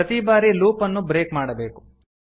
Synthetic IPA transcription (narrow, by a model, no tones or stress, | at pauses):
ɐt̪ibaːɾiluːpɐnːubɾeːkmaːɽɐbe̞ːku̥